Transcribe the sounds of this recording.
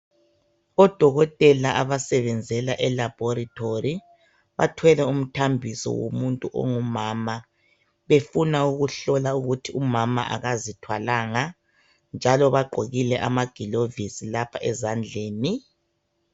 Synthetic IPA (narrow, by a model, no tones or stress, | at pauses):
ɔd̥ʱɔɣɔtʼɛlaʔaβasɛβɛnd͡zʱɛlaʔɛlab̥ʱɔɾitʰori | βa̰tʰwɛlɛum̩tʰambʱisɔ̰wo̰muntʼuʔɔ̰ŋumama | βefunauɣuɬɔlauɣutʰiumama̰ʔa̰ɣazitʰwalaŋa | nd͡ʒʱalɔβaɡ͡ǃʱoɣilɛʔa̰maɡ̥ʱilovisilapʰaʔɛzand͡ɮʱeːni